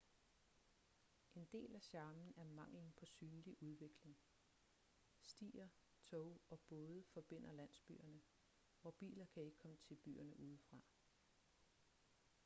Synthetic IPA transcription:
ʔe̝nd̥e̝̰ːlæɕɑ̈ːmn̩æɐmɑ̈ŋ̰ln̩pʰɒ̽syːnliʔuð̞ˠʋe̝ɡ̥le̝ŋ | sd̥ḭːɐ | t͡sʰɔʊɒ̽b̥ɔ̽ːð̞ˠəfɒ̽b̥e̝n̰ɐlæn̰sb̥y̰ːɐnə | ʋɒb̥ḭːlɐkʰæe̝ɡ̥əkʰɒ̽mət͡sʰe̝lb̥y̰ːɐnəʔuːð̞ˠfʁɑ̈

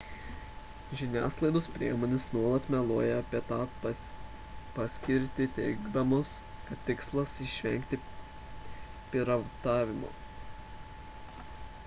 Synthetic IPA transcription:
ʒʲɪnʲæ̰ːsklˠɐɪd̪ospʲɾʲiɛmoːnʲɪsnuɔlˠɐt̪mʲɛlˠoːjɛɐpʲiɛt̪ɑː | pɑsʲkʲɪɾʲt̪ʲɪt̪ʲɛɪɡd̪ɐmoskɐt̪ʲt̪ʲːɪkslˠɐsɪʃʲʋʲɛ̰ŋʲkʲt̪ʲɪ | pʲɪɾɐʋt̪ɑːʋʲɪmo̰ː

